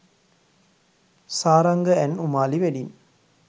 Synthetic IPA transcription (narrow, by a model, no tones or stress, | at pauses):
saːɾɐŋɡəænumaːliʋeɖin